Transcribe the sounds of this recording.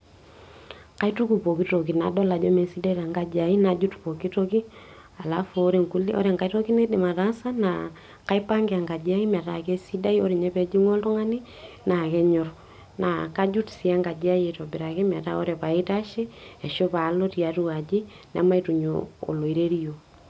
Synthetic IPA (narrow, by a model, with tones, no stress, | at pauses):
ka˨˦i˦tu˦ku˨po˨ki˦to˨k̬i˨na̰˨dɔ˦la˨d͡ʒɔ˦me˨si˦da˦ɾa˨ŋɡa˨d͡ʒa˨i˦na˨d͡ʒu˦tpo˨ki˦toki˦ | a˨la˦fo˦ɾe˨ŋku˦lḭ˦ʔɔ̰˦ɾɛ˨ŋɡa˨i˦to˦ki˦ne˦dɪ˨ma˨ta˦sa˦na̰ | ka˦ipa˦ŋɡe˨a˨ŋɡa˨d͡ʒa˦i˦m˨a˨ta˨ke˦si˦da˦io˦ɾi˨ɲɛ˦pɛ˨d͡ʒi˦ŋo˦ltɔ˦ŋa˦ni˦ | na˨kɛ˦ɲɔ˨ɾ | na̰˨ka˦d͡ʒu˦tsi˦a˦ŋɡa˨d͡ʒa˦je˨to˨bi˨ɾa˨ki˦m˨a˨ta̰˦o̰ɾepa˨i˦ta˦ʃe˦ɛ˨ʃo˦pa˨˦lo˦ti˨a˨tu˦a˨d͡ʒi˦ | na̰˨ma˦i˦tu˨ɲo̰o̰˨lo˨i˨ɾe˦ɾi˦jo˨